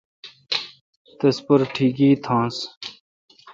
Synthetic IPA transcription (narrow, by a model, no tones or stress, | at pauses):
t̪espɐɾʈʰiːkiːt̪ʰãːs